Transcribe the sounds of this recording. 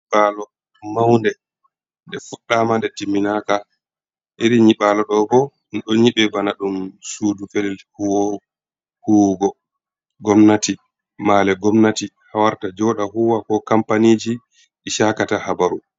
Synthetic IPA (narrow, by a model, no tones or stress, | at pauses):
ɓalɔ | mawndɛ | ndɛfuɗːamandɛtimːinaka | ʔeɾiɲiɓalɔɗɔbɔ | nɗɔɲiɓɛbanaɗumsuːdufɛlɛlhuwoɾu | huɡɔ | ɡɔmnati | maːlɛɡɔmnati | hawaɾtad͡ʒɔɗaɦuwakɔkampaniːd͡ʒi | iʃakatahabaɾu